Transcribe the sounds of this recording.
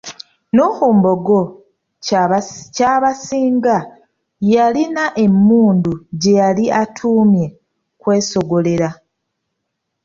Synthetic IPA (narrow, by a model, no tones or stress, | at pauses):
nuhuːmbo̞ɡo | caβasiːŋɡa | jalinaʔe̞mːuːnduɟe̞jaliʔatʰuːmje̞ | kwe̞ːso̞ɡo̞le̞ɾa